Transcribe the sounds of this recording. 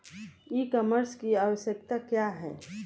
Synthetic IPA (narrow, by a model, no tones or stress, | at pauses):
ikɔməɾskiaːwəsjək̚t̪akjaɦɛ̰ː